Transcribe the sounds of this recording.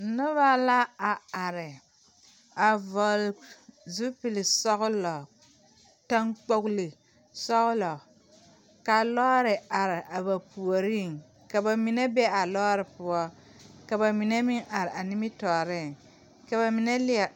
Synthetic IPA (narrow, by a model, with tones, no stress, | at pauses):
nʊ˦ba˦la˦a˨a˨ɾɪ˨ | a˨vɔ˨lzu˦pi˨lɪ˨sɔ˦ɣʊ˦lɔ˨ | ta˦ŋk͡po˦ɡli˨ | sɔ˦ɣʊ˦lɔ˨ | ka˨lɔ˦ɾɪ˨ʔa˨ɾɪ˨ʔa˨ba˨pu˨o˨ɾi˦˨ŋ | ka˨ba˨mi˨nɛ˦bɛ˦a˨lɔː˦ɾɪ˨pʊ˦ɔ˦ka˨ba˨mi˨nɛ˦mɪ˦ŋʔa˨ɾɪ˨ʔa˨nɪ˦mɪ˦tɔː˨ɾɪ˦˨ŋ | ka˨ba˨mi˨nɛ˦lɪ˦a˨